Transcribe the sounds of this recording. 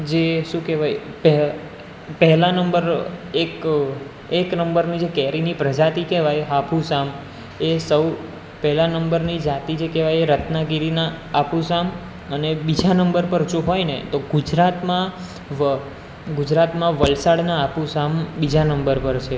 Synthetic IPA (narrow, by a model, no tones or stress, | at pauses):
d͡ʒeʃũkɛʋajpɛ | pɛɦɛlãnəmbəɾek | eknəmbəɾnid͡ʒekɛɾinipɾəd͡ʒat̪ikɛʋajɦapusam | esəw | pɛɦlanəmbəɾnid͡ʒat̪id͡ʒʰekeʋajeɾət̪naɡiɾinaːpũsam | ənebid͡ʒanəmbəɾpəɾd͡ʒoɦojnḛt̪oɡud͡ʒɾat̪mã | ʋə | ɡud͡ʒɾat̪mãʋəlsaɽnaːpusambid͡ʒanəmbəɾpəɾt͡ʃʰe